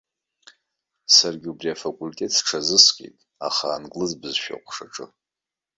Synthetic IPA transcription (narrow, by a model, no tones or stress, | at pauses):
sarɡʲubriafakʷʼultʼe̞tʰsʈ͡ʂʰazɨskʲʼḛjtʼ | a̰χaːnɡʼlɨzbɨzʃᶣa̰qʷʰʼʂaʈ͡ʂʼɨ